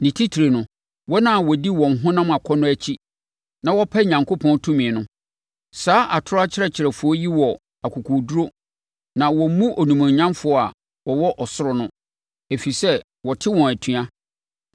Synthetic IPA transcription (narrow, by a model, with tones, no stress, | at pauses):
nĩ˨tʰi˦tʰɾe˨nʊ̃˨ | wɔ˦nã˦˨wɔ˨di˦wɔ̃˨n˨ɦʊ̃˦nã˦ma˨kʷʰɔ˦nʊ̃˦æ˦t͡ɕʰi˦ | nã˨wɔ˦pʰa˦˨ɲã˨ŋkʰo˦pʰɔ̃˦n˦tʰũ˦mĩ˨nʊ̃˦ | saː˦ʔa˨tʰʊ˦ɾʊ˦a˦t͡ɕʰɪ˦ɾɛ˦˨t͡ɕʰɪ˨ɾɛ˨fʊ˨˦ɔ˦ji˦wɔ˨ | a˨kʰu˨kʰu˨du˦ɾo˦ | nã˨wɔ˨m˦mũ˦ʔo˨nũ˨mã˨ɲ˦ɲã˦mfʊ˨˦ɔ˦a̰˨ | wɔ˨wɔ˦ʔɔ˨sʊ˦ɾɔ˨nʊ̃˦ | e˨fi˨sɛ˦ | wɔ˨tʰɪ˦wɔ̃˨æ˨tʰɥa˦